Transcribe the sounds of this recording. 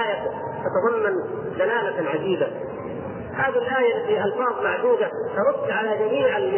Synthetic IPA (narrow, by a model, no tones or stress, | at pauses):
aːja | t̪ɑt̪ɑðˤɑmːan | zalaːlaʕad͡ʒiːba | haːðilʔaːjalfiːʔɑlfɑːðˤmaʕd̪uːd̪at̪ɑɾˤʊd̪ːʕalaːd͡ʒamiːʕalm